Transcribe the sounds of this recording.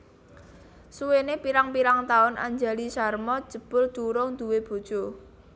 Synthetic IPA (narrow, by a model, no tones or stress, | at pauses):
suwenepiɾaŋpiɾaŋt̪aʊnʔa̰ɲd͡ʒa̤lisarmɔd̥ʒ̥ə̤b̥ʊ̤ld̪̥uɾʊŋd̪̥ṳweb̥o̤d̥ʒ̥o